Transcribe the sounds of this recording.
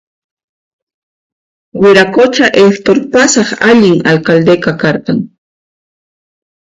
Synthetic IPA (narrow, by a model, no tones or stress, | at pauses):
wɪɾakot͡ʃaʔekt̪oɾpasɑχaʎɪŋalkald̪ekakɑɾqɑŋ